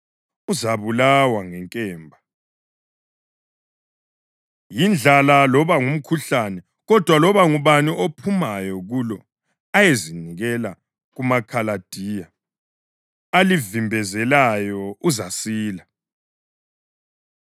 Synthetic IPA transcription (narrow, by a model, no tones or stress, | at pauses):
uzaβulawaŋɛŋkʼɛːmbʱa | jind͡ɮʱalalɔβaŋum̩kʰuɬanɛ | ɣɔd̥ʱwalɔβaŋuβaniʔopʰumajɔɣulɔ | ajeziniɣɛla̰ | ɣumakʰalad̥ʱiːja | alivimbʱɛzɛlajɔuzasiːla